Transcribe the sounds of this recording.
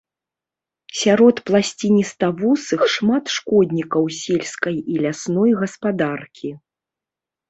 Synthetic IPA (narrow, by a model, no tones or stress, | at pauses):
sʲaɾɔt̪plˠasʲt͡sʲinʲist̪ɐvɔsɨxʂmat̪ʂkɔd̪ʲnʲikɐwsʲelʲskɐjilʲasnɔjɣɐspad̪arkʲʰi